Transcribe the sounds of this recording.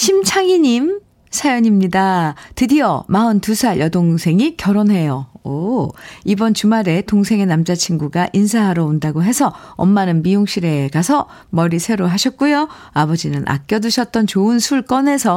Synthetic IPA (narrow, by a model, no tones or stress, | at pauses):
ɕʰimt͡ɕʰaŋiɲim | sʰajʌɲimɲidatɯdiʌ̰maɯntusʰajʔʌdoŋsʰe̞ŋikjʌɾonɦe̞joo | ibʌnt͡ɕumaɾe̞toŋsʰe̞ŋe̞namd͡ʑat͡ɕʰinɡuɡaʔinsʰaɦaɾoondaɡoɦe̞sʰʌʌ̰mːanɯnmijoŋɕʰiɾe̞kasʰʌ | mʌɾisʰe̞ɾoɦaɕʰʌt̚k͈ujo | abʌd͡ʑinɯnʔa̰k̚k͈jʌduɕʰʌt̚t͈ʌnt͡ɕoɯnsʰuɭk͈ʌne̞sʰʌ